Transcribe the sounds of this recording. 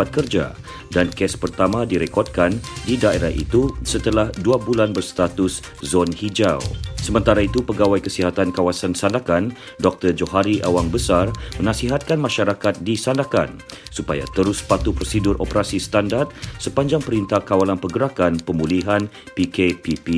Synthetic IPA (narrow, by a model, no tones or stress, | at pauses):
pat̪̚kərd͡ʒa̰ | dankɛspərt̪amãdiɾekɔrd̪̚kandidaeɾahʔḭt̪usət̪əlahduabulanbərst̪at̪ʊs | zɔnhid͡ʒawsəmə̃nt̪aɾait̪upəɡawajkəsiɦat̪ankawasansandakan | dɔk̚t̪ərd͡ʒoɦaɾiʔawaŋbəsarmə̃nãsiɦat̪̚kanmãʃaɾakat̪̚disandaka̰n | supa̰ja̰t̪əɾʊspat̪upɾosidʊrʔo̰pəɾasist̪andart̪̚səpaɲd͡ʒaŋpəɾint̪akawalanpəɡəɾakanpəmuliɦan | pikepipi